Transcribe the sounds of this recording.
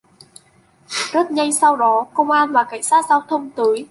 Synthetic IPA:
zə˦˥t̚ɲa˧jsa˧wɗɔ˨˦kə˧wŋ͡mʔaː˧nvaː˨˩ka˧˩jŋ̟saː˦˥t̚zaː˧wt̪ʰə˧wŋ͡mt̪ɨː˨˦j

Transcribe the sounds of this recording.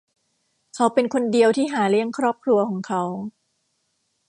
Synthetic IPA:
kʰa˦˥wpe˧nkʰo˧ndi˧əwt̪ʰiː˥˩ɦaː˩˦li˥˩əŋkʰɾɔː˥˩p̚kʰɾu˧ɐkʰɔː˩˦ŋkʰa˦˥w

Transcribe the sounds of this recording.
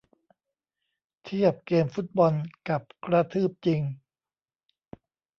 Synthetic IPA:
t̪ʰi˥˩əp̚keː˧mfu˦˥t̪̚bɔ˧nka˨˩p̚kɾa˧t̪ʰɯː˥˩p̚t͡ɕi˧ŋ

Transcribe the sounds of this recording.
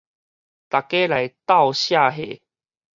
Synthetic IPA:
t̪a˨˩ke˦la˨jt̪a˥˧ʊwɕja˥˧˨ɦḛ˨

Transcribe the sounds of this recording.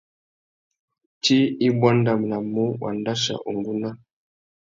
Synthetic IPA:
ti˦i˦bwa˦nda˨m˨na˨mu˦wʔa̰˨nda˦ʃa̰˨ʔu˨ŋɡu˦na˦

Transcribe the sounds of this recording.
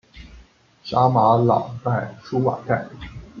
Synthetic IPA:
ɕa˥ma˧˥lɑ̰˨˩ŋt̪a˥˩ɪʂu˥wa̰˨˩ka˥˩ɪ

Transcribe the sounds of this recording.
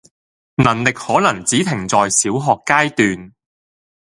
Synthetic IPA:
nɐ˨˩nlɪ˨k̚hɔː˨˥lɐ˨˩ŋt͡siː˨˥t̪ʰɪ˨˩ŋt͡sɔː˨˧jsiː˨˥wɦɔː˨kːaː˥jt̪yː˨n

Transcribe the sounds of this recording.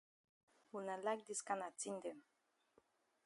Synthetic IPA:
wu˨na˨lak̚d̪iska˦na˨t͡si˦nd̪e˨m

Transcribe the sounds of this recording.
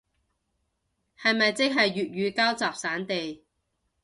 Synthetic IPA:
hɐ˨jmɐ˨jt͡sɪ˥k̚ɦɐ˨jɥyː˨t̚ɥyː˨˧kaː˥wt͡saː˨p̚saː˨˥nt̪e˨j

